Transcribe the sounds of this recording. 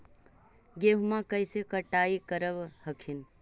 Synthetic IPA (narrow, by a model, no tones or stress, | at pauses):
ɡeɦmãkəjsekəʈaːikəɾəʋhəkʰin